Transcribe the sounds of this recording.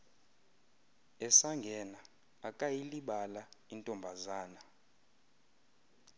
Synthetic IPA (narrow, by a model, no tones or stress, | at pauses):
ɛsaŋɡʱɛnaː | kʼajiliɓalaintʼɔmbʱazaːna